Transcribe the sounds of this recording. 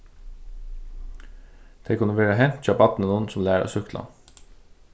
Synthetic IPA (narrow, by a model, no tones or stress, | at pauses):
d̪̥eɪkʰʉnəʋeːɾəɦɛnt̪c͡çɑːpɑt̪n̩ənuːn̩sʊmlæːɾʔo̰ːsʏklʔɑ̰